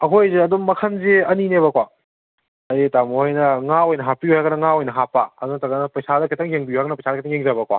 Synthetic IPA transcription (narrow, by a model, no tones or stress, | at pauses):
ɐɦʰojzeɐdumːɐkʰɐnzeɐninebɐkwa | ɐjitamohajnɐŋaojnɐɦapiuaɡɐnɐŋaojnɐɦapːaɐdunɐtɐɡɐnɐpɐjsadɐkʰitɐŋjeŋbiuaɡɐnɐpɐjsadɐkʰtʰɐŋjeŋzabɐkwa̰